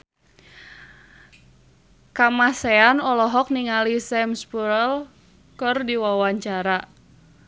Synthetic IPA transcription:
kamasɛanɔlɔɦɔk̚niŋalisɛmspuɾəl | kɨrdiwawaɲt͡ʃaɾa

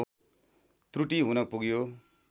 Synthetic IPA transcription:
t̪ruʈiɦunʌpuɡjo

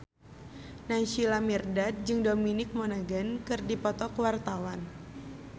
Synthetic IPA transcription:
nanʃilamirdat̪̚d͡ʒɨŋdominɪk̚monaɡankɨrdipɔt̪ɔkwart̪awan

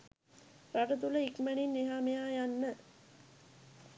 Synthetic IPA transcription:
ɾaʈət̪uləikməɳinːeɦaːmejaːjanːə

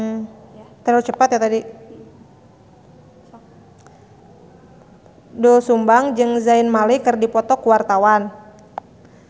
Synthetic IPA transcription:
t̪əɾut͡ʃəpat̪jat̪adi | dɔsumbaŋd͡ʒɨŋzaɪnmalikɨrdipɔt̪ɔkuwart̪awan

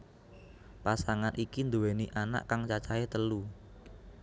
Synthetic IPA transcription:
pasaŋanʔikind̪uweniʔana̰ʔkaŋt͡ʃat͡ʃaet̪əlu

